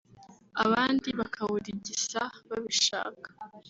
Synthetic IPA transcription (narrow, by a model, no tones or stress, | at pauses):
aβaːndiβakʰaβuɾiɟisaβaβiʃa̰ːkḁ